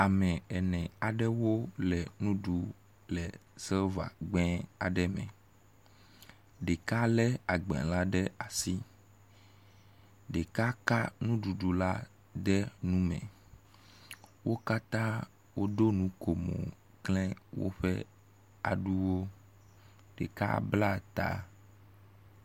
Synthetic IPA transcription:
a˨mɛ̃˨ɛ˨nɛ̃˨a˨ɖɛ˦wo˦lɛ˨nũ˦ɖu˨ | lɛ˨sɛ˦lva̰˨ɡ͡bɛ̃˦a̰˨ɖɛ˦mɛ̰̃˨ | ɖe˨ka˦lɛ˦a˨ɡ͡bɛ̰̃˨la˦ɖɛ˦a˨si˦ | ɖe˨ka˦ka˦nũ˦ɖu˨ɖu˨la˦ | d̪ɛ˦nũ˦mɛ̰̃˨ | wʔo˦ka˦t̪ã˦ | wo˦d̪o˦nũ˨˦ko˨mo̰˨ | klɛ˦wo̰˦ɸɛ̰˦ | a̰˨ɖu˦wo˦ | ɖḛ˨ka̰˦bla˦t̪a̰˦

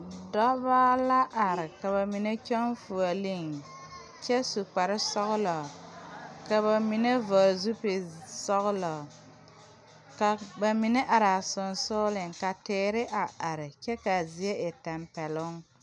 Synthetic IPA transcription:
dɔ˦baː˦la˦ʔa˨ɾɪ˨ka˨βa˨mi˨ne˦t͡ʃɔ˦nfu˨a˨li˦ŋ | t͡ʃɛ˦su˨k͡pa˨ɾɪ˦sɔ˦ɣʊ˦lɔ˨ka˨βa˨mi˨ne˦vɔ˨ɾzu˦pɪ˨sɔ˦ɣʊ˦lɔ˨ | ka˨ba˨mi˨ne˦ʔa˨ɾa˨sʊ˨nsʊ˦lɪ˨ŋka˨tɪː˨˦ɾɪ˦ʔa˨ʔa˨ɾɪ˨t͡ʃɛ˦ka˨zi˨˦e˦ɪ˨tɛ˨mpɛ˨lʊ˦ŋ

